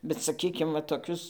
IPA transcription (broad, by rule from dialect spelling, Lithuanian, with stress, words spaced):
bʲɛt sɐˈkʲiːkʲɪm ʋɐ toːˈkʲʊs